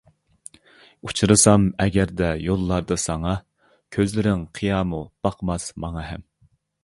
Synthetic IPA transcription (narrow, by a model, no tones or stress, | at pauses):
ut͡ʃʰɾɨsɑmɛɡʲɛɾd̪ɛjolˠːɑɾd̪ɨsɑŋɑ | kʲʰøzlɪɾɪŋqʰijɑːmub̥ɑqʰmɑsmɑŋɑɦɛm